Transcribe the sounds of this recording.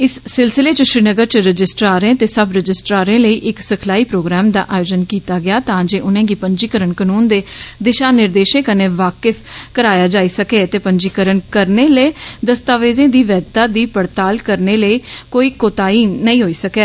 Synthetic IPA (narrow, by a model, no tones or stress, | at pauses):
ɪsːɪlsɪleːt͡ʃəʃɾiːnəɡəɾt͡ʃəɾəd͡ʒɪsʈɾaːɾẽːt̪eːsəbɾəd͡ʒɪsʈɾaːɾẽːləiːʔɪksəkʰlaːiːpɾoːɡɾɛːmd̪a̰ːʔaːjoːd͡ʒənkiːt̪aːɡɪaːt̪ãːd͡ʒeːʔʊnẽːɡiːpəɲd͡ʒiːkəɾənkənuːnd̪eːd̪ɪʃaːnɪɾd̪eːʃẽːkəneːʋaːkəfʰkəɾaːjaːd͡ʒaːiːsəkeːt̪eːpəɲd͡ʒiːkəɾənkəɾneːleːd̪əst̪aːʋeːzẽːd̪iːʋɛːd̪t̪aːd̪iːpəɽt̪aːlkəɾneːləiːkoːiːkoːt̪aːiːnəĩːɦoːiːsəkeː